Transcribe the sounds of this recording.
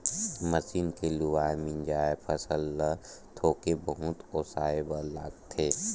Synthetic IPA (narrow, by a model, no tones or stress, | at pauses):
məsiːnkelʊwaːemɪ̃nd͡ʒaːepʰəsəlːət̪ʰoːkebəɦʊ̃t̪oːsaːebəla̰ːɡt̪ʰeː